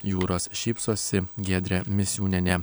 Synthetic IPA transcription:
juːɾoːsʃʲiːpsoːsʲɪɡʲeːd̪ʲɾʲɛmʲɪsʲjuːnʲɛnʲɛ

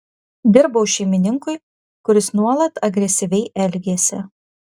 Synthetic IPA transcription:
d̪ʲɪɾbɐʊʃʲɛɪmʲɪnʲɪŋkʊɪ | kʊɾʲɪsnuɔlˠɐt̪ɐɡɾʲɛsʲɪʋʲɛɪʔɛlʲɡʲeːsʲɪ̰

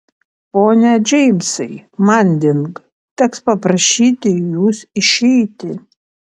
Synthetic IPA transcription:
poːnʲɛd͡ʒʲɛɪmʲsɐɪmɐnʲd̪ʲɪŋk | t̪ʲɛkspɐpɾɐʃʲiːt̪ʲɪjuːsɪʃʲɛɪt̪ʲɪ

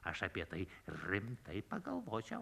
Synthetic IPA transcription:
ɐʃɐpʲiɛt̪ɐɪɾʲɪmt̪ɐɪpɐɡɐlˠʋoːt͡ʃʲɛʊ

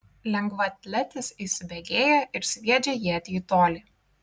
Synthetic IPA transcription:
lʲɛŋɡʋɐt̪ʲlʲɛt̪ʲɪsisʲɪbʲɛɡʲeːjɛɪɾsʲʋʲiɛd͡ʒʲɛjiːɐt̪ʲit̪oːlʲiː

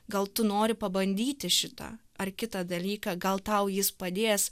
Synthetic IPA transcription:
ɡɐlˠt̪ʊnoːɾʲɪpɐbɐnʲd̪ʲiːt̪ʲɪʃʲɪt̪ɑ̰ | ɐrkʲɪt̪ɐd̪ɐlʲiːkɑɡɐlˠt̪ɐʊjɪspɐd̪ʲeːjs

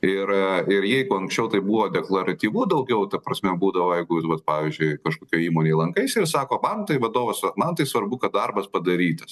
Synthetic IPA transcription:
ɪɾɪɾjɛɪɡʊɐŋksʲt͡ʃʲɛʊt̪ɐɪbuːʋoːd̪ʲɛklˠɐɾɐt̪ʲiːʋuːd̪ɐʊɡʲɛʊt̪ɐpɾɐsʲmʲɛbuːd̪ɐʋoːjɛɪɡʊɪsʋɐt̪pɑːʋʲizʲd͡ʒʲʊɪkɐʃkoːkʲoːiːmoːnʲeːɪlˠɐŋkɐɪsʲɪrsɑːkoːmɐnt̪ɐɪʋɐd̪oːʋɐsɐmɐnt̪ɐɪsʋɐɾbʊkɐt̪̚d̪ɐrbɐspɐd̪ɐɾʲiːt̪ɐs

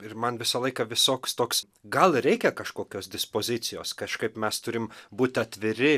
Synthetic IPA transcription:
ɪɾmɐnʋʲɪsɐlˠɐɪkɐʋʲɪsoːkst̪oːks | ɡɐlˠɾʲɛɪkʲɛkɐʃkoːkʲoːsd̪ʲɪspoːzʲɪt̪sʲɪjoːskɐʃkɐɪpmʲɛst̪ʊɾʲɪmbuːt̪ʲɐt̪ʲʋʲɪɾʲɪ

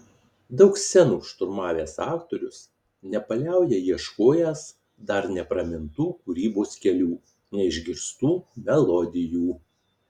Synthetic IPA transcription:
d̪ɒʊksʲɛnuːʃt̪ʊɾmɑːʋʲeːsɑːkt̪oːɾʲʊs | nʲɛpɐlʲæˑʊjɛjiɛʃkoːjɛs | d̪ɐɾnʲɛpɾɐmʲɪnt̪uːkʊɾʲiːboːskʲɛlʲuː | nʲɛɪʒʲɡʲɪɾst̪uːmʲɛlˠɔd̪ʲɪjuː

